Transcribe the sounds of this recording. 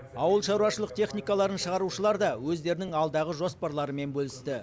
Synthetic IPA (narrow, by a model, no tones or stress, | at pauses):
ɑwəlˠʃɑɾuɑʃəlˠəq̚t̪ʰe̞χnijkɑlˠɑɾənʃəʁɑɾuʃəlˠɑɾd̪ɑwɵzd̪e̞ɾɪnɪŋɑlˠd̪ɑʁəʒo̞spɑɾlˠɑɾəme̞nbɵlɪst̪ɪ